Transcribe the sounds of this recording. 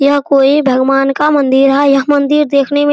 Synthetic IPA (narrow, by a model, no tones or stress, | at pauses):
jɐɦkoːibʱɐɡʋaːnkamɐ̃nd̪ɪɾɦajɐɦmɐ̃nd̪ɪɾd̪eːkʰnem